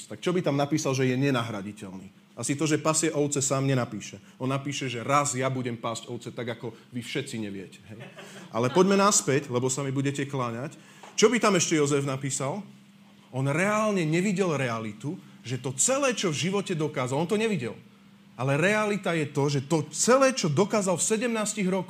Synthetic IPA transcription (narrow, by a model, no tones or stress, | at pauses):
t̪ak̚t͡ʃɔbit̪amnapiːsalʒɛjɛɲɛnaɦɾaɟicɛlniː | asit̪ɔʒɛpasɪjɛʔɔʊt͡sɛsaːmɲɛnapiːʃɛ | ɔnːapiːʃɛʒɛɾazjabuɟɛmpazɟɔʊt͡sɛt̪aɡakɔʋifʃɛt͡siɲɛʋɪɛcɛ̥ɦɛjʔa̰lɛpɔɟmɛnaspɛclɛbɔsamibuɟɛcɛklaɲac | t͡ʃɔbit̪amɛʃcɛjɔzɛvnapiːsal | ɔnɾɛaːlɲɛɲɛʋiɟɛlɾɛalit̪u | ʒɛt̪ɔt͡sɛlɛːt͡ʃɔvʒiʋɔcɛd̪ɔkaːzalɔnt̪ɔɲɛʋiɟɛ̰l | alɛɾɛalit̪ajɛt̪ɔʒɛt̪ɔt͡sɛlɛːt͡ʃɔd̪ɔkaːzalfsɛɟɛmnaːsciɣɾɔkɔ